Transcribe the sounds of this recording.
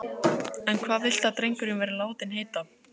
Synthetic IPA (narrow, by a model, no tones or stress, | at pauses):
ɛnkʰvaːðvɪl̥t̪at̪ɾejŋkʏɾɪnvɛːɾɪlaːwt̪ɪnɦeːjt̪a